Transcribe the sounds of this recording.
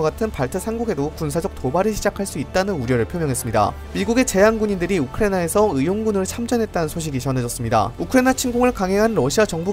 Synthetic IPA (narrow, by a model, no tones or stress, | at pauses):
ɡatʰɯnpaɭtʰɯsʰanɡuɡe̞dokuns̬ʰad͡ʑʌk̚t͈obaɾɯɭɕʰid͡ʑakʰaɭs͈uit̚t͈anɯnuɾjʌɾɯɭpʰjomjʌŋɦe̞s͈ɯmɲida̰ | miɡuɡe̞t͡ɕe̞jaŋɡuɲindɯɾiukʰɯɾenae̞sʰʌɯjoŋɡunɯɭt͡ɕʰamd͡ʑʌnɦet̚t͈anɯnsʰoɕ̬ʰiɡit͡ɕʌne̞d͡ʑʌs͈ɯmɲida̰ukʰɯɾenat͡ɕʰinɡuŋɯɭkaŋɦe̞ŋɦanɾʌɕʰiat͡ɕʌŋbu